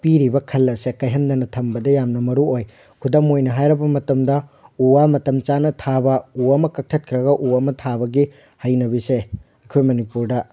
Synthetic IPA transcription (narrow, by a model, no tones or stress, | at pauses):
piɾibɐkʰɐlːɐsekɐjɦɐndɐnɐtʰɐmbɐdɐjamnɐmɐɾuoj | kʰudɐmojnɐɦajɾɐbɐmɐtɐmdɐuwamɐtɐmt͡ʃanɐtʰabɐuɐmɐkɐk̚tʰɐt̚kʰɾɐɡɐʔuɐmɐtʰabɐɡi | hɐjnɐbise | ekʰojmɐnipuɾdɐ